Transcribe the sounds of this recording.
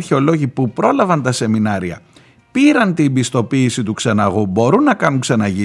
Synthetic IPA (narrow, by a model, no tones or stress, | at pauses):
ɾçeo̞lo̞ʝipupɾo̞lɐvɐnt̪ɐse̞minɐɾiɐ̰ | piɾɐnt̪ibist̪o̞piːsit̪uksɐnɐɣubo̞ɾunːɐkɐnuksɐnɐʝi